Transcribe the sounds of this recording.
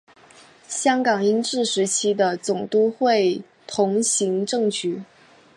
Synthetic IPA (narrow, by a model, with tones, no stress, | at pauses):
ɕjɑ˥ŋkɑ˨˩ŋi˥nʈ͡ʂɻ̩˥˩ʂɻ̩˧˥t͡ɕʰi˥d̪ə˨˧t͡sʊ˨˩ŋt̪u˥xwe˥˩ɪ | t̪ʰʊ˧˥ŋɕi˧˥ŋʈ͡ʂɤ˥˩ŋt͡ɕy˨˧˩